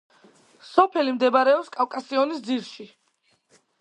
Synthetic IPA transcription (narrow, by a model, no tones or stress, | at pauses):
sɔpʰɛlimd̪ɛbaɾɛɔpskʼawkʼasiɔnisd̪ziɾʃi